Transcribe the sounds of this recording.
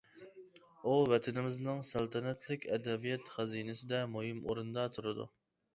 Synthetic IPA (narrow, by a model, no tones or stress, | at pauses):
uvɛt̪ʰɪnɪmɪznɪŋsælˠt̪ʰɛnɛt̪ʰlɪkʲɛd̪ɛbijɛt̪χæzinɪsɪd̪ɛmuhɪmoɾund̪ɑt̪ʰuɾɨd̪ṵ